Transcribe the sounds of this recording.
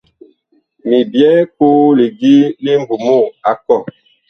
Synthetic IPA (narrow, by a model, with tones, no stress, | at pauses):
mi˨bjɛ˦ko˦le˨ɡi˦le˦m˦bu˨mo˦˨a˨kɔ˦˨